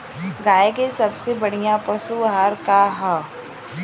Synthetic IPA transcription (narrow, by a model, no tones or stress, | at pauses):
ɡaːekesɐbsebɐɽ̤ijapɐsuɦaːɾkaɦɛ